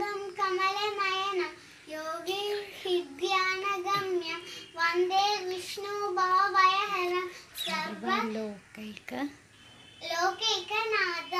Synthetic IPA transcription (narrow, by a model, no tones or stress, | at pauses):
ɐmkɐmɐlemɐjɐnɐ | joːɡihid̪jaːnɐɡɐmjɐʋɐnd̪eːʋiʂnubaːʋɐjɐɦɐɾɐsɐɾʋɐloːkɐjkɐ | loːkejkɐnaːd̪ɐ